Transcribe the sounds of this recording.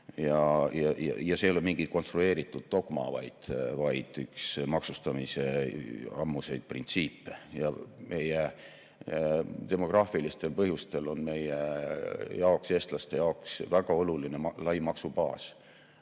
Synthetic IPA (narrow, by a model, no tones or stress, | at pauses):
jɑjɑjɑ̰jɑse̞ːlomiŋɡ̥it̪̚ko̞nst̪rue̞ːɾit̪ːˑud̪̥̚t̪o̞ɡ̥mɑ̰vɑ̰jd̪̥vɑjd̪̥yksmɑksust̪ɑmise̞ɑmːuse̞jd̪̥̚prḭnt̪siːpːejɑme̞je | t̪e̞mo̞ɡ̥rɑːfilist̪e̞lpɤɦjust̪e̞lo̞nme̞je | jɑokse̞ːst̪lɑst̪e̞jɑoksvæɡ̥ɑo̞luline̞lɑjmɑksub̥ɑːs